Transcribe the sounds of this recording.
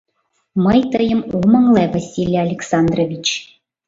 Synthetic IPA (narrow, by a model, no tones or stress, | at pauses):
məjt̪ɤjə̆mumɤŋlˠevasʲilʲjaːlʲeksɑnd̪rovʲit͡ɕ